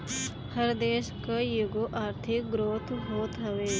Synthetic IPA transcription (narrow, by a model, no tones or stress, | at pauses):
həɾd̪eːʃkajuɡoʔaːɾt̪ʰɪk̚ɡɾoːt̪ʰɦoːt̪ɦɐʋeː